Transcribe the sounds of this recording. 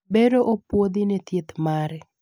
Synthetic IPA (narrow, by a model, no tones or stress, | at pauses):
beɾoʔopwod̪ɪnɛt̪jet̪maɾɛ